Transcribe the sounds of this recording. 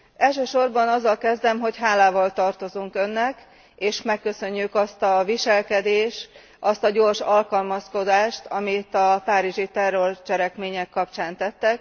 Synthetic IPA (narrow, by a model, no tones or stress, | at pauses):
ɛlʃøːʃo̞rbɒnɒzːɒlkɛzd̪ɛmɦo̞cɦaːlaːvɒlt̪ɒrt̪o̞zuŋkø̞nːɛk | eːʃmɛkːø̞sø̞ɲːykɒst̪ɒviʃɛlkɛd̪eːʃt̪ | ʔɒst̪ɒɟoːrʃɒlkɒlmɒsko̞d̪aːʃt̪ʰɒmit̪ɒpaːɾiʒit̪ɛrːo̞rt͡ʃɛɾɛkmeːɲɛkːɒpt͡ʃaːnt̪ɛt̪ːɛk̚